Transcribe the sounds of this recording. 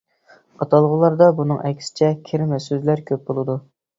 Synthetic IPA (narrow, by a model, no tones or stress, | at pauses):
ɑt̪ʰɑlˠʁʊlˠɑɾd̪ɑbunɨŋʔɛkʲsɪ̥t͡ʃʰɛkʲʰɪɾmɛsøzlæɾkʲʰøp̚bolˠɨd̪u